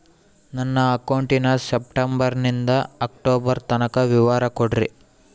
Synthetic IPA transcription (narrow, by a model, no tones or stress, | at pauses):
nɐnːɐːkɐwɳʈinɐsep̚ʈɐmbɐɾnind̪ɐɐk̚ʈoːbɐɾt̪ɐnɐkɐʋiʋaːɾɐkoɽɾḭ